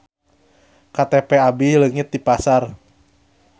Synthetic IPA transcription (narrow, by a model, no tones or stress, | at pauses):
kat̪epeabiləŋɪt̪̚dipasar